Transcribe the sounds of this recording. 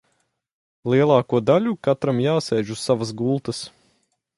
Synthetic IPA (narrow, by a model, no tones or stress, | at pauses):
lˠiɛlˠɑːkuɔd̪aʎʲukat̪ɾamjaːsɛːʒusːavas̬ɡulˠt̪əs